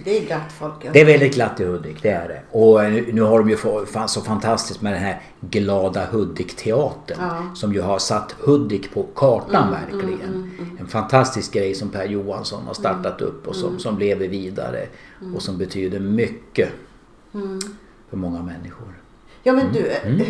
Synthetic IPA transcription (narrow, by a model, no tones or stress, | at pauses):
d̪ɛɡlat̪ːfɔlkd̪ɛæɾvɛld̪ɪt̪̚ɡlat̪ːɪhɵd̪ːɪkd̪ɛæɖɛ̰ɔnːnʉ̟ːɦaɖɔmjɵfɔfasɔfant̪ʰast̪ɪskt̪mɛd̪ɛnɦæɾ | ɡlɑːd̪ahɵd̪ːɪkt̪ʰɛɑːt̪ənsɔmjɵɦaɾʂat̪ːhɵd̪ːɪkpʰɔkʰɑːʈanvæ̰ɾklɪɡənɛnfant̪ʰast̪ɪsk̚ɡɾɛjsɔmpʰæɾjuːa̰nsɔ̰nha̰ʂt̪aʈːat̪ɵ̰pːɔsɔmsɔmleːvəviːd̪a̰ɾə̰ɔsɔmbɛt̪ʰyːd̪əmʏkːə | fœɾmɔŋːamɛnːɪɧʊɾ | jɑːmɛnd̪